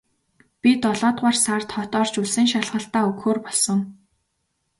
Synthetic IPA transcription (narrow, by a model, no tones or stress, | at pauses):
pʲit̪ɔɮɔːt̪ʁarsart̪χɔt̪ɔːrt͡ɕuɮsɘ̆ŋʃaɮʁə̆ɬt̪aːɵkxoːrpɔɮsɞ̆ŋ